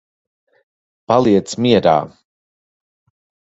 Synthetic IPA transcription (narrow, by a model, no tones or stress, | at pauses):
palˠiɛt̪smiɛɾa̰ː